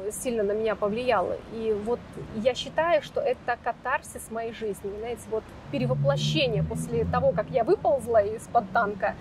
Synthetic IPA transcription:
sʲilʲnənəmʲɪnʲapəvlʲɪjalˠə̰ivo̞t̪jaɕːɪt̪ajʊʂt̪o̞ʔɛt̪əkɐt̪arsʲɪsmɐjejʐɨzʲnʲɪvznajɪtʲɪvo̞t̪ | pʲɪɾʲɪvəplˠɐɕːenʲɪjəpo̞sʲlʲɪt̪ɐvo̞kakjavɨpəlˠzʲlˠəɪspɐt̪ːankə

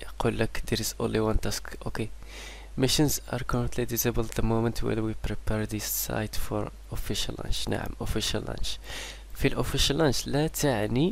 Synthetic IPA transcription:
qulːəkd̪əɾɪzʔõ̰nliwãnt̪æskʔoke | mɪʃənzɑ̰ɾkɔɾə̃nt̪ʰlid̪isəbəld̪d̪əmomənt̪ʰwə̰ɾwipɾipɛɾd̪isːa̰jt̪fɔɾ | ʔofiʃə̰lːɑ̰̃nt͡ʃna̰ʕə̰mʔofiʃəlːɑ̰̃nt͡ʃ | filʔofiʃəlːɑ̃nt͡ʃlæt̪əʕni

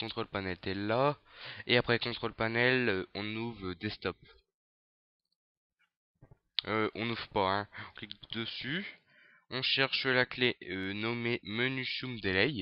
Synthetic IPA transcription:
kɔ̃t̪χolpanɛlt̪ɛlːaeapχɛkɔ̃t̪χolpanɛløɔ̃nuvʁød̪est̪ɔp̚ | øʔɔ̃nuvpaɛ̃ɔ̃klikd̪əsy | ɔ̃ʃɛʁʃəlakleønɔmemənyʃumd̪elɛj

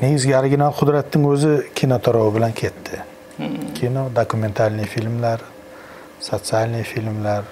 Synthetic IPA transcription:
ne̞ɡʲɪzɡʲaaɾɪɡʲinalˠqʰʊd̪ɾat̪nɪŋɵzɪkʲʰinot̪ʰɒɾɒwɪbɪlankʲʰe̞t̪ʰːɪ | kʲʰinod̪okʰume̞nt̪ʰalnɪfilmlaɾ | sot̪sialnɪfilmlaɾ

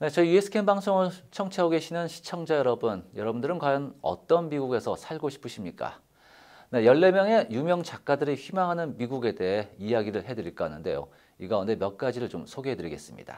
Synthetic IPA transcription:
ne̞t͡ɕʌijue̞sʰɯ̥kʰenbaŋsʰoŋɯɭt͡ɕʰʌŋt͡ɕʰeaɡoɡe̞ɕʰinɯnɕʰi̥t͡ɕʰʌŋd͡ʑajʌɾʌbunjʌɾʌbundɯɾɯnkwajʌnʌ̰t͈ʌnmiɡuɡe̞sʰʌsʰaɭɡoɕʰi̥pʰɯɕʰimɲik͈a̰ | ne̞jʌɭːe̞mjʌŋe̞jumjʌŋt͡ɕak̚k͈adɯɾiçimaŋɦanɯnmiɡuɡe̞de̞ɦe̞ijaɡiɾɯɭɦe̞dɯɾiɭk͈ʌnɯnde̞̰jo̰ | iɡaunde̞mjʌk̚k͈ad͡ʑiɾɯɭt͡ɕomsʰoɡeɦedɯɾiɡe̞̰s͈ɯmɲḭd̥a̰

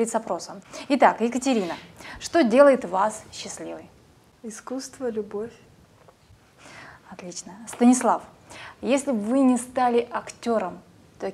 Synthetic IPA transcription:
ɾʲɪt̪sɐpɾo̞səmɪt̪akjɪkətʲɪɾʲinəʂt̪o̞dʲe̞lˠəjɪt̪vasɕːɪsʲlʲivɨj | ɪskust̪vəlʲʊbofʲ | ɐt̪lʲit͡ɕnəst̪ənʲɪslˠaf | jesʲlʲɪbvɨnʲɪst̪alʲɪʔɐktʲo̞ɾəm | t̪o

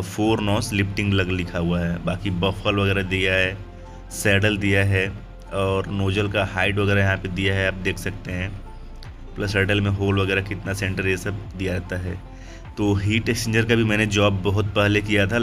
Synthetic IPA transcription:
fʰoːɾnɔ̃ːslɪfʈɪ̃ŋɡlɐɡlɪkʰaɦuaɦɛːbaːkibɐfəlʋɐɣɛːɾad̪ijaɦɛ | sɛːɖəld̪ijaɦɛ | ɔːɾnoːd͡ʒəlkahaːɪʈʋɐɡɛːɾajɐɦãped̪ijaɦɛaːp̚d̪eːkʰsɐk̚t̪eɦɛ̃ː | plɐsɛːɖəlmẽɦoːlʋɐɡɛːɾakɪt̪nasɛ̃ɳʈəɾjesɐbd̪ijaɾɛɦt̪aɦɛ̰ː | t̪oːɦiːʈesʈẽnd͡ʒəɾkabʱimɛ̃ːned͡ʒɔːbːɐɦʊt̪̚pɛɦlekijat̪ʰa

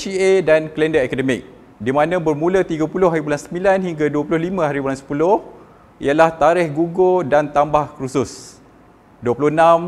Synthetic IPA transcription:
iedankəlɛndəakadəmɪk̚ | dimãnãbərmũlət̪iɡapulʊhɦaɾibulansəmbilanhiŋɡaduəpulʊhlimə̃ɦaɾibulansə̥pulʊh | ʔḭjalaht̪aɾɪhɡuɡodant̪ambahkɾusʊs | duəpulʊhənãm

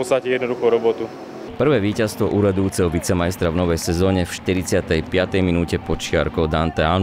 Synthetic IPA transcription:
ɔst̪acɛjɛd̪nɔd̪uxɔɾɔbɔt̪u | pr̩ʋɛːʋiːcast̪ʋɔʔuːɾad̪ujut͡sɛɦɔʋit͡sɛmajst̪ɾavnɔʋɛjsɛzɔːɲɛfʃt̪iɾit͡sɪat̪ɛjpɪat̪ɛjminuːcɛpɔt͡ʃɪa̰ɾkɔʊd̪ant̪ɛa

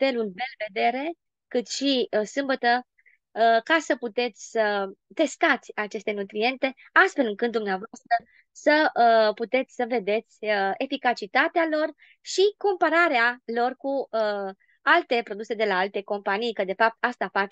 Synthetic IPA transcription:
fe̞lulbelve̞d̪e̞ɾe̞ | kɨt̪ʃisɨmbət̪ə | kasəput̪e̞t̪sʲsət̪e̞st̪at̪sʲat͡ʃe̞st̪e̞nut̪ɾie̞nt̪e̞ | ast̪fe̞lɨŋkɨt̪d̪umneavoast̪ɾə | səput̪e̞t̪sʲsəve̞d̪e̞t̪sʲəefikat͡ʃit̪at̪ealo̞r | ʃiko̞mpaɾaɾealo̞rkuə | alt̪e̞pɾo̞d̪use̞d̪e̞laalt̪e̞ko̞mpanijkəd̪e̞fap̚t̪̚ast̪afat͡ʃe

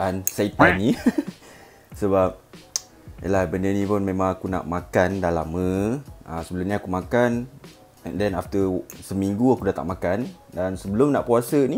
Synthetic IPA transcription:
ʔansat̪ani | səbap̚ | jə̰lahbəndənĩpʊnmẽmãŋakuna̰ʔmakandala̰məʔasəbəlʊmɲiakumãkan | ɛ̰ndɛnaft̪əsəmiŋɡuakudat̪a̰ʔ̚makan | dansəbəlʊmnaʔpuasəni

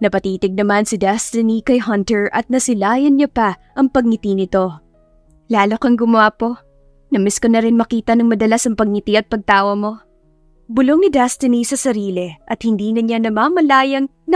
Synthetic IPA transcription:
nɐpɐt̪iːt̪ɪɡ̚nɐmansɪd̪ɛst̪ɪnikɐjɦɐnt̪ɛɹʔɐt̪̚nɐsɪlaːjɐnɲɐpɐʔɐŋpɐɡ̚nɪt̪inɪt̪o̞ | laːlokɐŋɡʊmʊwaːpo̞ | nɐmɛsko̞nɐɾɪnmɐkiːt̪ɐnɐŋmɐd̪ɐlasɐŋpɐɡ̚nɪt̪iɐt̪̚pɐɡ̚t̪aːwɐmo̞ | bʊlo̞ŋnɪd̪ɛst̪ɪnisɐsɐɾiːlɛʔɐt̪̚hɪnd̪iːnɐɲanɐmaːmɐlaːjɐŋ | nɐ

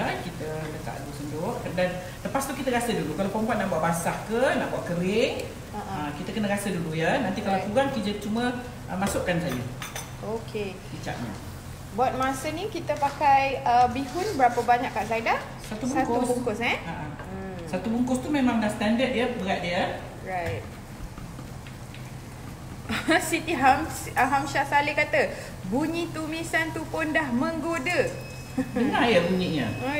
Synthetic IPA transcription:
əkit̪ələt̪a̰ʔduusəndʊhkədan | ləpast̪ukit̪əɾasədulukalawpəmpat̪̚naʔbuaʔbasahkənaʔbuaʔkəɾɪŋ | aʔəkit̪əkənəɾasədulujənant̪ikalakuɾaŋkid͡ʒət͡ʃumə̃ | ʔəmasʊʔkansad͡ʒə̰ | okʰe | pit͡ʃa̰ʔɲa̰ | bat̪̚masənikit̪əpakajəbihʊnbəɾapəbaɲakːaʔsaida | sat̪ususatkubuŋkʊshɛnaʔaəsat̪ubuŋkʊst̪umemãŋdast̪andət̪̚jəbəɾat̪̚diə | ɹajt̚ | sit̪iɦamsaɦamʃasalɪhkat̪ə | buɲit̪umisant̪upʊndahmə̃ŋɡodə | dəŋajəbuɲiɲə

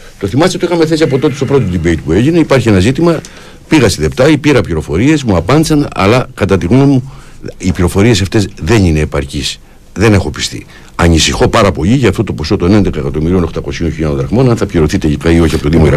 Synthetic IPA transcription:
t̪o̞θimɐst̪et̪oixɐmeθe̞siɐp̬o̞t̪o̞t̪est̪o̞pɾo̞t̪oðibejt̪pue̞ʝine̞ipɐɾçienɐzit̪imɐ | piɣɐst̪iðept̪ɐipiɾɐpʎiɾo̞fo̞ɾie̞smuɐpɐnd̪isɐnɐ̰lɐkɐt̪ɐt̪iɣnomu | ipʎiɾo̞fo̞ɾie̞sɐft̪e̞zðe̞nine̞ːpɐɾcis | ðe̞ne̞xo̞pi̥st̪ḭ | ɐɲisixo̞pɐɾɐpo̞ʎiʝɐːft̪ot̪o̞po̞so̞t̪o̞ne̞nd̪e̞kɐekɐt̪omiɾio̞no̞xt̪ɐko̞sio̞nçiʎɐod̪ɾɐɣmo̞nɐnθɐpçiɾo̞θit̪eʎikɐio̞çiɐpot̪oðimoiɾ

